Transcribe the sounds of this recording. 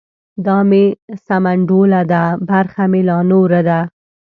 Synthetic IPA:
d̪ɑmesamaɳɖolad̪abaɾxamɪlɑnoɾad̪a

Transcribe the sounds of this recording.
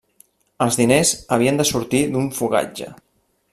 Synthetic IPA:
əlˠzðinezəβiənd̪əsuɾt̪id̪uɱfuɣa̰d͡ʒə̰

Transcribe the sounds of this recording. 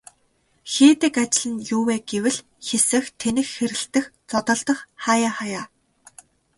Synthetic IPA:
xeːt̪ɘ̆kat͡ɕɪ̆ɮɘ̆njuːweːɡewɘ̆ɮ | xesɘ̆xt̪ʰenɘ̆xxeɾɘ̆ɬt̪ɘ̆xt͡sɔt̪ɞ̆ɮt̪ɞ̆χχaːjaːχajaː

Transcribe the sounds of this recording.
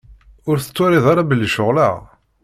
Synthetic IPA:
ʊɾθə̥t͡sːoɾiðˤaɾˤabəlːʃʊʁla

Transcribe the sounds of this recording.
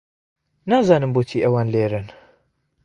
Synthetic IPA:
naːzaːnɨmbot̪ʰiːʔɐwaːnleːɾɨn

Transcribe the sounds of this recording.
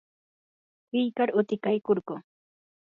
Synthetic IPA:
kɪjkaɾʊt̪ɪkajkoɾɢʊ

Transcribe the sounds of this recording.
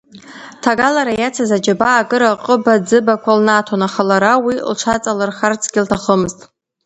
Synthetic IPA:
tʰaɡalaɾajat͡sʰazad͡ʒabaːɡɨɾaqʼəbad͡zɨbakʷʰalnatʰonaχalaɾawilʈ͡ʂʷʰat͡sʼalɨrχart͡sʰɡʲɪltʰaχəmɨztʼ

